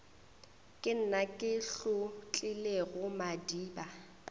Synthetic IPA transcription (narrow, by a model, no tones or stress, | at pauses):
kʼɪn̩nakʼɪɬʊt͡ɬʼɪleɣʊmadiːba